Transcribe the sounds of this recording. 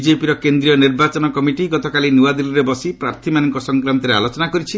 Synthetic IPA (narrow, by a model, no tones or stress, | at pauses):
d͡ʒepiɾɔkend̪ɾijɔniɾbat͡ʃɔnɔkɔmiʈiɡɔt̪ɔkalinuwad̪iliɾebɔsipɾaɾt̪ʰimanɔŋkɔsɔŋkɾant̪ɔɾealot͡ʃɔnakɔɾit͡ʃʰi